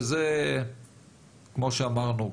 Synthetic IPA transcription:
ze | kmo̞ʃeamaʁnu

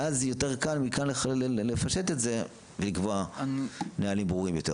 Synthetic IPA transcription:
ʔazjo̞teʁkalmikanlealeleefaʃe̞tetze̞ | velikvoa | nealimbʁuʁimjo̞t̪e̞̰

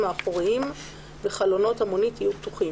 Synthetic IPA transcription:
maːχoʁiim | veχalo̞no̞tamonitjjuptuχi

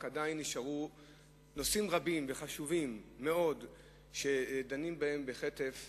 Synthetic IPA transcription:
kadainiʃaʁu | no̞simʁabimveχaʃuvimːe̞o̞d | ʃe̞d̪animbahe̞mbeχet̪e̞f

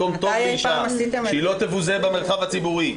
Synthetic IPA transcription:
omt̪oeiʃasit̪eʃilo̞t̪evuzebemeʁχavat͡sibuʁi

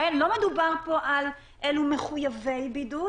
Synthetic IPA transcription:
enlo̞medubaʁpo̞ʔal | ʔelume̞χujavejbidu

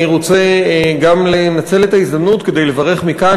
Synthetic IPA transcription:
ʁot͡seɡamlenat͡se̞le̞t̪aizd̪amnutke̞d̪e̞jle̞vaʁe̞χmika

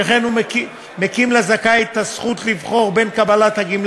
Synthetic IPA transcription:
eχenumeki | mekimlezakajt̪ːasχut̪livχo̞ʁbe̞nkabalat̪haɡiml

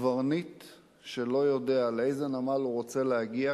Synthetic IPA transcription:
vaʁnit | ʃe̞lo̞jo̞de̞aleejzenamaluʁo̞t͡se̞lehaɡia

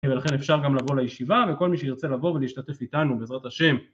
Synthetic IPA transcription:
velaχe̞nefʃaʁɡamlavo̞lajeʃivaveko̞lmiʃeiʁt͡selavo̞veleiʃtate̞fitanubeːzʁat̪aʃe̞m

